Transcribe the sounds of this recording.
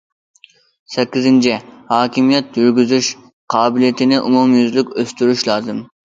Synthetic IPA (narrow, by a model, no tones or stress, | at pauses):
sɛkʲːizɪnt͡ʃʰihɑːkʲʰimijɛt̪̚jyɾɡʲyzyʃ | qʰɑːbɪlijit̪ʰɪnɪʔumumjyzlykʲøst̪yɾyʃlˠɑːzɨm